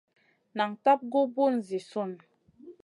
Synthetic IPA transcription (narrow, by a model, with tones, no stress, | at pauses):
na˨ŋta˦p̚ɡo˦bu˦˨n˨zi˨su˦˨n